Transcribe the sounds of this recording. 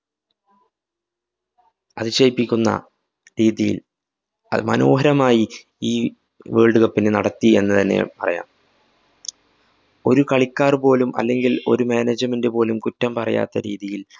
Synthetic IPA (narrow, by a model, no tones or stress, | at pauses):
ɐðɨɕejipːikʲːunːɐ̰ | ɾiːðijḭl | ɐ̰mɐno̞ːɦɐɾɐmaːji | iː | ʋeːɭɖuɣɐpːinenɐɽɐt̪ːie̞̰nːɨt̪ɐnːe̞̰pɐrɐ̰ja̰ːm | o̞ɾukɐɭikʲːaːrpo̞ːlumɐ̰lːe̞ŋɡilo̞ɾumeːneːd͡ʑɐmendɨpo̞ːlumkutːɐmpɐrɐ̰ja̰ːt̪ːɐɾiːðijil